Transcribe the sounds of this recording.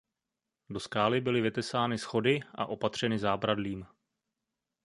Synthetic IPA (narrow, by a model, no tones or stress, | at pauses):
do̞skaːlɪbɪlɪvɪt̪ɛsaːnɪsxo̞dɪʔa̰ʔo̞pat̪r̝̥ɛnɪzaːbɾadliːm